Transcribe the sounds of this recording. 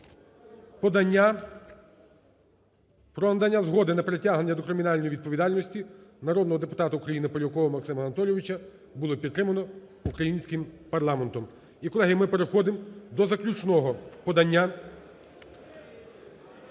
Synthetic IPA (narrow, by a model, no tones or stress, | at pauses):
pɾɔnɐd̪ɐnʲːazɦɔd̪ɪnɐpɾetʲaɦneːɐd̪ɔkɾɪmʲinɑlʲnɔjiʋʲid̪̚pɔʋʲid̪ɑlʲnɔsʲtʲinɐɾɔd̪nɔɦɔd̪epʊ̥t̪ɑt̪ɐukɾɐjinɪpɔlʲɐkɔʋɔmɐksɪmɐnɐt̪ɔlʲjeʋʲit͡ʃɐ | bʊlˠɔpʲid̪t̪ːɾɪmɐnɔ | ukɾɐjinʲsʲkɪmpɐrlˠɑment̪ɔm | ikɔlɛɦʲimɪpeɾexɔd̪ɪmd̪ɔzɐklʲut͡ʃnɔɦɔpɔd̪ɐnʲːa